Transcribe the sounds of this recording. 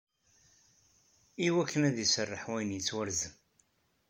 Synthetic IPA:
iwækʰːənæðjəsərˤːəħwæjnjət͡sːwəɾzəm

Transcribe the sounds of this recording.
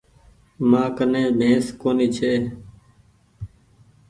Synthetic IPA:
mãːkənẽːbʱẽːskoːniːt͡ʃʰeː

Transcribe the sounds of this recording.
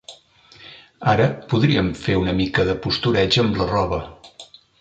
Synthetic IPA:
aɾəpuðɾiəɱfeunəmikəðəpust̪uɾɛd͡ʒəmlərɔβə

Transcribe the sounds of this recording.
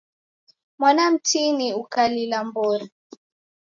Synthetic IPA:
mwanam̩tiniukalilambɔɾa

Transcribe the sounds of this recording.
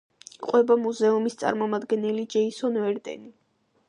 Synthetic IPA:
qʼwɛbamuzɛumist̪sʼa̰ɾmɔmad̪ɡɛnɛlid͡ʒɛisɔnvɛɾd̪ɛ̰ni

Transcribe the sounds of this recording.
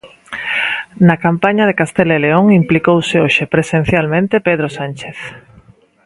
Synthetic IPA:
nakampaɲaðekast̪eleleoŋimplikowseoʃepɾesẽn̟θjalmẽnt̪epeð̞ɾosant͡ʃeθ

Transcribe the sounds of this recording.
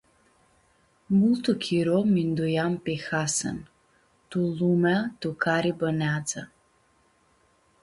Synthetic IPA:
mulˠt̪ukʰiɾomind̪ujampexasə̰n | t̪ulˠumat̪ukʰaɾibənad̪za

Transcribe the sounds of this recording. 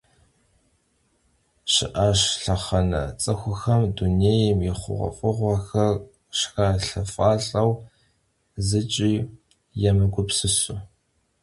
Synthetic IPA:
ɕɪ̰ʔaːɕɬɐχɐnɐ̰t͡sʼɐxʷʊxɐmduneːjɛmjɪχʷʊ̰ʁʷɐ̰fʼɨʁʷɐxɐr | ʃxaɬɐfʼaːɬʼɐw | zɨt͡ʃʼiː | jɛmɨɡʷʊpsɨsʊ

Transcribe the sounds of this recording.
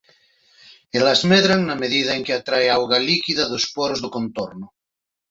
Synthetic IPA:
elazmeðɾaŋnameðiðaeŋkeat̪ɾaeawɣalikiðaðospoɾozðokont̪oɾno

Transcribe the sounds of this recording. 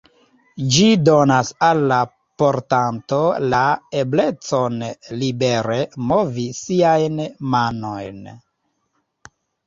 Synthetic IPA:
d͡ʒido̞nasalːa | po̞ɾtanto̞lae̞ble̞t͡so̞nlibe̞ɾe̞mo̞visiajnmano̞jn

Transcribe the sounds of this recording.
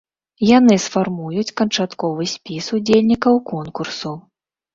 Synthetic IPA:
janɨsfarmujut͡sʲkɐnt͡ʂat̪kɔvɨsʲpʲisud͡zʲelʲnʲikɐwkɔnkursu

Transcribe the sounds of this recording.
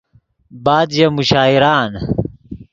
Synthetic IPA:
baːd̪jɐmuɕaːiɾaːn

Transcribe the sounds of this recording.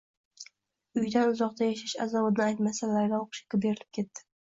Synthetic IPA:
ʊjd̪anʊzɒq̚t̪ajaʃaʃa̰zaβɒt̪nɪajt̪masalːaɾɡʲaoqʃɪ̥kʲɪbe̞ɾɪlɪ̥p̚kʲʰe̞t̪ːɪ̥

